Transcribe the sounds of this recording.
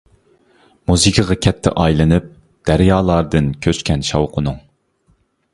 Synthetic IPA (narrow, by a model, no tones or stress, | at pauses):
muzɨkʲʰɨʁɑkʲʰɛt̪ʰːɛ̰ʔɑjlˠɨnɨp̚ | d̪̥æɾjɑːlˠɑɾd̪ɨnkʲʰøt͡ʃkʲɛnʃɑwqʰʊnʊŋ